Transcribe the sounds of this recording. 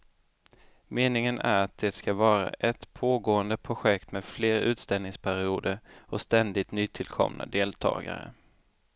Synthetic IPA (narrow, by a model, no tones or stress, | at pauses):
meːnɪŋənæɾat̪̚d̪ɛːt̪skavɑːɾa̰ʔɛt̪pʰoːɡoːənd̪əpʰɾʊɧɛkt̪meːd̪fleːɾʉ̟ːt̪st̪ɛlnɪŋspʰæɾɪuːd̪əɾɔst̪ɛnd̪ɪt̪nyːt̪ʰɪlkʰɔ̰mnʔa̰d̪eːlt̪ʰɑ̰ːɡa̰ɾə̰